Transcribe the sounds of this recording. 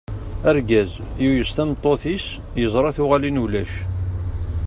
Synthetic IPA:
æɾɡæzjujəst̪æmt̪ˤːoθis | jəzˤɾˤɑθʊʁælinulæʃ

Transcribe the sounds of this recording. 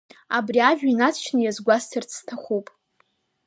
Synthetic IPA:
abriaʒᶣinat͡sʰt͡ʃʰnɨjazɡʷastʰɨrt͡sʰtʰaχʷupʼ

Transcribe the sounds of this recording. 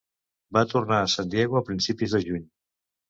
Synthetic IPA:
bat̪urnaːsand̪jɛɣuəpɾinsipizðəʒuɲ

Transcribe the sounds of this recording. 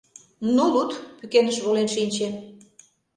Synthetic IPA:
nulut̪pykenəʃβolenʃinʲt͡ɕen

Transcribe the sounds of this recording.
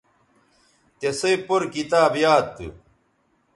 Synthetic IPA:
t̪esɐjpoɾkit̪aːbjaːt̪ːɨ̰

